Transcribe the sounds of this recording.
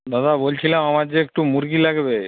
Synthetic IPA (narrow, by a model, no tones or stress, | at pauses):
d̪ad̪ʱabolt͡ɕʰilamamaɾd͡ʑeek̚ʈumuɾɡilaɡbe